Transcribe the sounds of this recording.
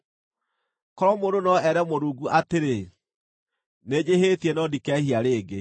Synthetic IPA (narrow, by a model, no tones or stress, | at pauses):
kɔɾɔmoːndonɔɛɾɛmoɾuɡuʔateɾe | ned͡ʑehetiɛnɔdikɛhiaɾeːɡe